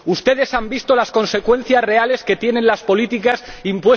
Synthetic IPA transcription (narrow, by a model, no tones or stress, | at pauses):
ust̪e̞ðe̞sambist̪o̞lasko̞nse̞kwe̞n̟θjasre̞ale̞ske̞t̪je̞ne̞nlaspo̞lit̪ikasimpwe̞s